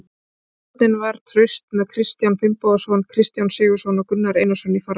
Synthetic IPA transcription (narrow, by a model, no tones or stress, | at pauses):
t̪nɪnvaɾ̥t̪ʰɾœɥst̪̚mɛðkʰɾɪst̪janfɪmpɔðasɔnkʰɾɪst̪jansɪːɣʏsɔnɔkʏnːaɾeːjnasɔnifaɾ